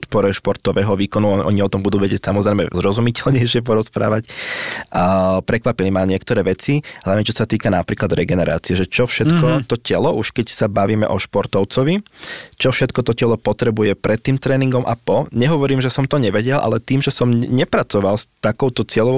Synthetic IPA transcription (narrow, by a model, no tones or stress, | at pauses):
t̪pɔɾɛʃpɔɾt̪ɔʋɛːɦɔʋiːkɔnuʔɔ̰ɲiɔt̪ɔmbud̪uːʋɛɟɪɛcsamɔzɾɛɪmɛ̰zɾɔzumicɛlɲɛjʃɪɛp̬ɔɾɔspɾa̰ːʋac | pɾɛkʋapilimaɲɪɛkt̪ɔɾɛːʋɛt͡siɦlaʋɲɛt͡ʃɔsat̪iːkanapɾiːklad̪ɾɛɡɛnɛɾa̰ːt͡siɛʒɛt͡ʃɔfʃɛt̪kɔt̪ɔcɛlɔʔuʃkɛcsabaʋiːmɛ̰ʔɔʃpɔɾt̪ɔʊt͡sɔʋit͡ʃɔfʃɛt̪kɔt̪ɔcɛlɔpɔt̪ɾɛbujɛpɾʔɛt̪ːiːmt̪ɾɛːniŋɡɔmʔa̰pɔɲɛɦɔʋɔɾiːmʒɛsɔmt̪ɔɲɛʋɛɟɛlʔa̰lɛt̪iːmʒɛsɔmɲɛpɾat͡sɔʋalst̪akɔʊt̪ɔt͡sɪɛlɔ